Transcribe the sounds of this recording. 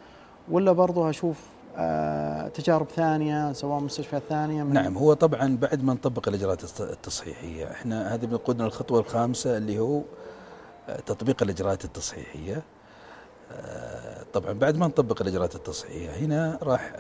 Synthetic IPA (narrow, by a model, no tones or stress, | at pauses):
walːabɑɾˤðˤʊʔaʃuːf | t̪ad͡ʒaːɾɪbθaːnɪjasawaːʔmʊst̪aʃfaθaːnɪjanaʕamhʊwːat̪ˤɑbʕɑnbaʕd̪mant̪ˤɑbːɪqɪlʔɪd͡ʒɾˤɑʔɑːt̪t̪ːɑsˤħḭːħɪ̰jːa̰ʔɪ̰ħnahaːðibnaquːd̪nalxɑt̪ˤwɑlxaːmsaɪlːihuː | t̪ɑt̪ˤbiːqɪlʔɪd͡ʒɾˤɑʔaːt̪ɪt̪ːɑsˤħḭːħɪ̰jːa | t̪ˤɑbʕɑnbaʕd̪mant̪ˤɑbːɪqɪlʔɪd͡ʒɾɑʔɑːt̪ɪt̪ːɑsˤħħɪ̰jːahɪnaɾˤɑːħ